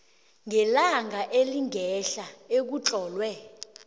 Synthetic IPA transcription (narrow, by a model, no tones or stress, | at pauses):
ŋʱɛlaŋɡʱaʔeliŋʱɛɬaek̬ut͡ɬʼɔːlwɛ